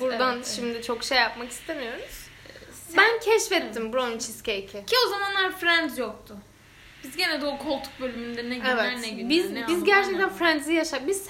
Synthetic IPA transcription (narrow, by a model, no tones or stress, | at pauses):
buɾdd̪anʃimd̪ɪt͡ʃʰo̞kʃejːapmaki̥st̪ʰemijo̞ɾuz̥ | bæncʰɛʃfɛt̪ʰːimbɾont͡ʃʰiscecʰɪcʰio̞zamanlˠaɾfɾɛnzjok̚t̪ʰʊ | b̥izɟe̞nɛd̪oːkʰolˠt̪ʰu̥k̚bø̞lʲymynd̪ɛneɛvɛnebizizɟæɾt͡ʃʰɛc̚t̪ʰænfɾænzijaʃapbiz